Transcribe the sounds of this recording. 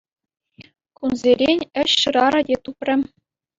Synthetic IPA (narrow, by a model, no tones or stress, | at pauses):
kunzʲeɾʲenʲɘ̆ɕːɯɾɑɾɤ̆dʲet̪uprʲɘ̆